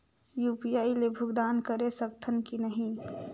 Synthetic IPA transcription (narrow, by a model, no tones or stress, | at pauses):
juːpijaːilebʱʊɡd̪aːnkəɾesəkt̪ʰənkinəɦĩ